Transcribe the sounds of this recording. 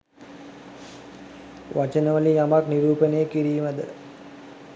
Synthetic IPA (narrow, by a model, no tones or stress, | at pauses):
ʋʔat͡ʃənəʋəlijamakniɾuːpənejəkiɾiːməd̪ə̰